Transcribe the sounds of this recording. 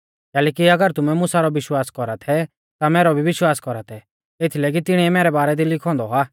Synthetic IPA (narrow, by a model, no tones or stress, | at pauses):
kɛːlɛːkiɐɡəɾt̪ʊmɛmʊsaɾɔʋɪʃwaːskɔɾat̪ʰɛ | t̪amɛːɾɔbʱiʋɪʃwaːskɔɾat̪ʰɛ | eːt̪ʰilɛːk̬it̪ɪɽ̃iɛmɛːɾɛbaːɾɛd̪ilɪkʰɔ̃ːnd̪ɔaː